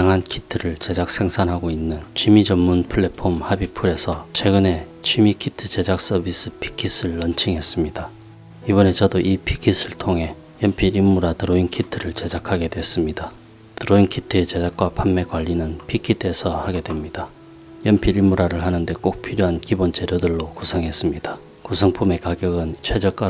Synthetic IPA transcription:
jaŋɦankʰitʰɯɾɯɭt͡ɕe̞d͡ʑak̚sʰe̞ŋsʰanɦaɡoinːɯnt͡ɕʰɥimid͡ʑʌmːunpʰɯɭːe̞pʰomhabipʰuɾe̞sʰʌt͡ɕʰwe̞ɡɯne̞ | t͡ɕʰɥimikʰitʰɯt͡ɕe̞d͡ʑak̚s͈ʌbis͈ɯpʰi̥kʰis͈ɯɭːʌnt͡ɕʰiŋɦe̞s͈ɯmɲida | ibʌne̞t͡ɕʌdoʔipʰikʰis͈ʰɯɭtʰoŋɦe̞ | jʌmpʰiiɭmuɾatɯɾoinkʰitʰɯɾɯɭt͡ɕe̞d͡ʑakʰaɡe̞dwe̞s͈ɯmɲida | tɯɾoinkʰitʰɯet͡ɕe̞d͡ʑak̚k͈wapʰanme̞kwaʎːinɯnpʰikʰitʰɯe̞sʰʌhaɡe̞dwe̞mɲida | jʌmpʰiiɭmuɾaɾɯɭɦanɯnde̞k͈ok̚pʰiɾjoɦankibont͡ɕe̞ɾjodɯɭːokusʰʌŋɦe̞s͈ɯmɲid̥ḁ | kusʰʌŋpʰume̞kaɡjʌɡɯnt͡ɕʰwe̞d͡ʑʌk͈a

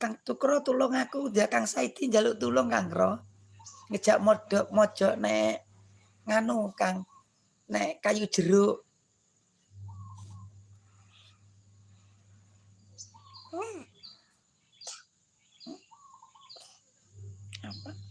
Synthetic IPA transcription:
kaŋt̪ukɾɔt̪ulʊŋakud̪akaŋsaid̪̥ind͡ʒalʊʔt̪ulʊŋkaŋkɾɔ | ŋəd̥ʒ̥a̤ʔmɔd̥ɔʔmɔd̥ʒ̥ɔ̤ʔnɛʔ | ŋanukaŋ | nɛʔkajud̥ʒ̥əɾʊʔ | apa

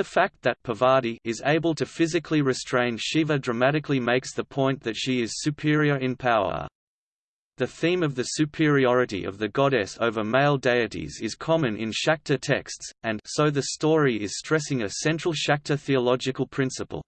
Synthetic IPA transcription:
ðɨfæk̚t̪̚ðɨt̚pʰəvɑɹɾiɪzḛɪbəl̩ˠtʰɨfɪzɨkʰliɹɨstɹ̥ẽɪ̃nʃivədɹɨmæɾɨklimeɪksðəpʰɔ̃ɪ̃nðɨtʃiɪz̥sʉpʰɪɹiə˞ɨ̃npʰaʊə̰˞ | ðɨθĩmʌvðɨsʉpʰɪɹiɔɹɨɾḭʔʌ̰vðɨɡɑɾɛso̰ʊvə˞meɪlˠdeɪɨɾḭzɪz̥kʰɑmɨ̃nʔɪ̰̃nʃæk̚tʰətʰɛkstsɨ̃nsoʊðɨstɔɹiɪz̥stɹ̥ɛsɪ̃ŋɨsɛ̃nt͡ʃɹ̥l̩ˠʃæk̚tʰə˞θiəlɑd͡ʒɨkəl̩ˠpʰɹ̥ɪ̃nsəpə̰l̩ˠ

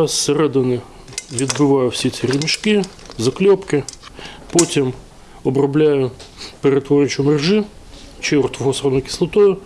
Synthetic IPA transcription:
sseɾɛd̪ɪnɪ | ʋʲid̪bɪʋɑjʊwsʲit̪t͡s̪ʲiɾʲɪmʲiʃkɪ | zɐklʲɔpkɪpɔtʲim | ɔbɾɔblʲajʊpeɾet̪ʋɔɾʲɪt͡ʃʊmerʒɪ | t͡ʃɪɔrt̪ɔɦɔsɾɔnɔjkʲɪ̥slˠɐt̪ɔjʊ

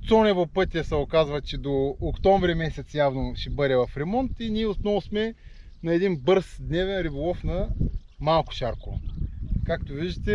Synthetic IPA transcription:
t̪sɔnɛvopɤt̪ʲijəsɛokazvɐt͡ʃɛd̪oːkt̪ɔ̃ɱvɾimɛsɛt̪sjavnoʃɛbəɾɛvɐfɾɛmɔnt̪iniɛot̪nɔvʊsmɛ | nɐɛd̪inbɤɾsd̪nɛvɛnɾibolˠɔfnɐ | malˠkʊ̥ʃaɾkʊkakt̪oviʒd̪ət̪ɛ

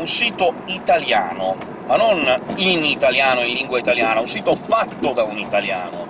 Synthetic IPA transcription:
unsiːt̪oit̪alja̰ːno | manːoninit̪aljaːnoinliŋɡwait̪aljaːnaunsiːt̪ofat̪ːod̪aunit̪alja̰ːno

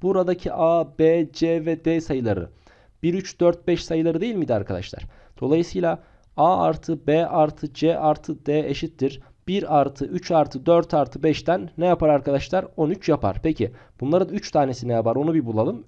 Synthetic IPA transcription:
b̥uɾad̪acʰiʔaːbɛːd͡ʒɛːvɛd̪ɛsajɯlˠaɾɯ̰ | b̥iɾyt͡ʃd̪̥øɾt̪̚bɛʃsajɯlˠaɾɯd̪ejilʲmid̪iɾa̰ɾkʰad̪a̰ʃlˠa̰ɾ̥ | d̪̥o̞lˠajɯsɯːjlʲˠa | aːa̰ɾt̪ʰɯbeaɾt̪ʰɯd͡ʒɛːʔaɾt̪ʰɯd̪ɛːeʃit̪ːiɾ | b̥iɾaɾt̪ʰɯʔyt͡ʃaɾt̪ʰɯd̪øɾt̪ʰaɾt̪ʰɯbɛʃt̪ænːɛjapaɾaɾkʰad̪aʃlˠaɾo̞nyt͡ʃjapʰa̰ɾ̥pʰecʰi | b̥unlˠaɾɯnyt͡ʃt̪ʰaːne̞sinɛjapaɾo̞nubibulˠalˠɯm

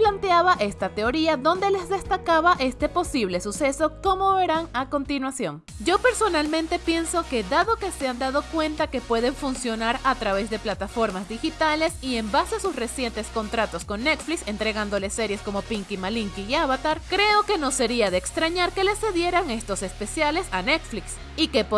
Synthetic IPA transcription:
plant̪eaβaʔe̞st̪at̪e̞o̞ɾiaðo̞nd̪e̞le̞zðe̞st̪akaβaʔe̞st̪e̞po̞siβ̞le̞suse̞so̞ko̞mo̞βe̞ɾaŋako̞nt̪inwasjo̞ŋ | d͡ʒo̞pe̞ɾso̞nalmẽ̞nt̪e̞pje̞nso̞ke̞ðaðo̞ke̞se̞and̪að̞o̞kwe̞nt̪ake̞pwe̞ðe̞ɱfunsjo̞naɾat̪ɾaβe̞zðe̞plat̪afo̞ɾmazd̪ixit̪ale̞sie̞mbase̞asusre̞sje̞nt̪e̞sko̞nt̪ɾat̪o̞sko̞nːe̞t̪flikse̞nt̪ɾe̞ɣand̪o̞le̞se̞ɾje̞sko̞mo̞piŋkimaliŋkiːaβat̪aɾkɾe̞o̞ke̞no̞se̞ɾiaðeːkst̪ɾaɲaɾke̞le̞se̞ðje̞ɾaŋe̞st̪o̞se̞spe̞sjale̞sanet̪fliks | ike̞p

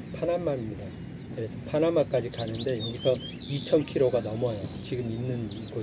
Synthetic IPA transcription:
pʰanamːaimɲida | kɯɾe̞sʰʌpʰanamːak͈ad͡ʑikanɯnde̞jʌɡisʰʌ | it͡ɕʰʌnkʰiɾoɡanʌmwʌjot͡ɕiɡɯmːinːɯn | ɡo

